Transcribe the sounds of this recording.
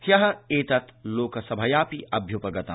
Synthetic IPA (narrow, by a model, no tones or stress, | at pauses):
jɐɦɐ̆eːt̪ɐt̪loːkɐsɐbʱɐjaːpiʔɐbʱjupɐɡɐt̪a̰